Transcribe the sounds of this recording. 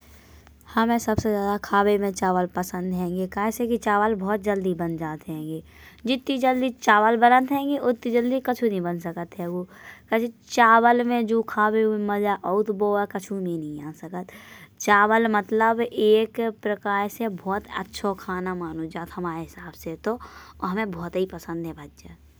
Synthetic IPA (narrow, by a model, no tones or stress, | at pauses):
hɐmẽsɐbsezjaːd̪akʰaːbemẽt͡ʃaːʋəlpəsə̃nd̪ɦɛ̃ːŋ̆ɡekaːsẽkit͡ʃaːʋəlbʱɔːt̪̚d͡ʒɐld̪ibənd͡ʒaːt̪ɦɛ̃ːŋɡeː | d͡ʒɪt̪ːid͡ʒəld̪it͡ʃaːʋəlbənət̪ɦɛ̃ːŋɡeʔʊt̪ːid͡ʒəld̪ikɐt͡ʃʰunɐɦĩbənsəkət̪ɦɛʋoːkɐt͡ʃʰt͡ʃaːwəlmẽd͡ʒoːkʰaːbeuiməd͡ʒaʔɔʊt̪boːakɐt͡ʃʰumẽnɐɦĩaːsəkət̪t͡ʃaːʋəlmət̪ləbeːkpɾəkaːɾsebʱɔːt̪ə̰tːʃʰokʰaːnamaːnud͡ʒaːt̪ɦɐmaːɾeɦɪsaːbset̪oɔ̰ɦɐmẽbʱɔːt̪ɦipɐsə̃nd̪ɦɛ̃bʱatːt͡ʃə